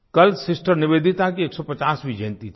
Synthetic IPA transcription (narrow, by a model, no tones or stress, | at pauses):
kɐlsɪsʈəɾnɪʋeːd̪ʱɪt̪akieːksɔpɐt͡ʃaːsbʱid͡ʒẽːnt̪it̪ʰ